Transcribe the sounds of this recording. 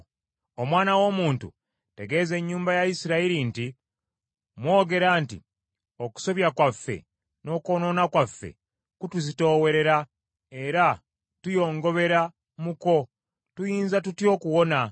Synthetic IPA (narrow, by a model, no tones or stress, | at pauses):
o̞mwaːnawo̞ːmuːntṵ | te̞ɡe̞ːze̞ɲːuːmbajajisiɾaiɾinti | mwo̞ːɡe̞ɾaːntḭ | o̞ku̥so̞βjakwafːe̞̰ | no̞ːkono̞nakwafːe̞̰ | kutuzito̞ːwe̞ɾe̞ɾa | e̞ɾa | tujo̞ːŋɡo̞βe̞ɾa | muko̞ | tujiːnzatutjo̞ːkuwo̞na